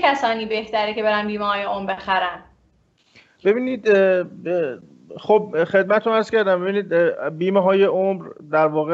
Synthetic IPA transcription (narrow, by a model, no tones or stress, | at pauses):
æsɒːniːbe̞ht̪æɾece̞be̞ɾænbiːmehɒːjeomɾbexæɾæn | b̥e̞biːniːd̪ | χob̚xed̪̚mæt̪t̪ʰomæɾz̥cæɾd̪æmbe̞biːniːd̪biːmeɦɒːjeʔomɾd̪æɾvɒːɣe